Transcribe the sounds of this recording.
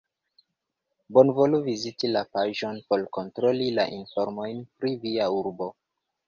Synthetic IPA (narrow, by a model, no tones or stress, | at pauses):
bo̞nvo̞luvizitilapaʒo̞npo̞lko̞ntɾo̞lila̰ʔinfoɾmo̞jnpɾiviauɾbo̞